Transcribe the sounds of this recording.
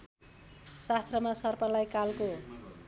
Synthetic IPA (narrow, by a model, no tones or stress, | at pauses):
sast̪rʌmasʌrpʌlajkalko